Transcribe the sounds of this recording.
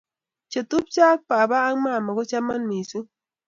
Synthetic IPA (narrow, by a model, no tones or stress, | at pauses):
t͡ʃat̪ʊpt͡ʃak̚pabaːŋmamaɣʊt͡ʃamanmisʊ